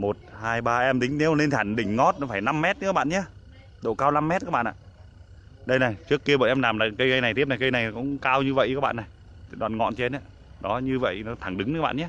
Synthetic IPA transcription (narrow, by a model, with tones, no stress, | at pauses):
mo˨˩t̚haː˧jɓaː˧ʔɛ˧mɗï˨˦ŋ̟ne˨˦wle˧nt̪ʰaː˧˩nɗï˧˩ŋ̟ŋɔ˦˥t̚nɔ˨˦faː˧˩jna˧mːɛ˦˥t̚ɨ˧˥a˦˥ɓa̰ː˧˨ɲa˨˧˦ | ɗo̰˧˨kaː˧wna˧mːɛ˦˥t̚ːɓa̰ː˧˨nʔa̰ː˧˨ | ɗə˧jna˨˩jt͡ɕɨ˦˥əkːi˧əɓəː˧˨jʔɛ˧mlaː˨˩mnaː˨˩kə˧jɣə˧jna˨˩jt̪ʰi˦˥əp̚na˨˩kə˧jna˨˩jkʊ̰˧˥ŋ͡mkaː˧wɲɨ˧və̰˧˨jʔ̚ːɓa̰ː˧˨nːa˨˩j | ɗwa̰ː˧˨nŋɔ̰˧˨nt͡ɕe˧nʔa˧˦ | ɗɔ˨˦ɲɨ˧və̰˧˨jnɔ˨˦t̪ʰa˧˩ŋɗɨ˨˦ŋnɨ˧˦˥ɓa̰ː˧˨ɲaː˨˦